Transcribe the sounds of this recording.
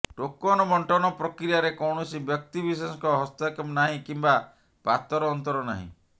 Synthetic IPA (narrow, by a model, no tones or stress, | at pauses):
ʈokːɔnɔbɔɳʈɔnɔpɾɔkɾijaɾekɔwɳɔsibjɔk̚t̪ibis̬esɔŋkɔɦɔst̪ɔkɔmnaɦĩkimba | pat̪ɔɾɔːnt̪ɔɾɔna̰ɦḭ̃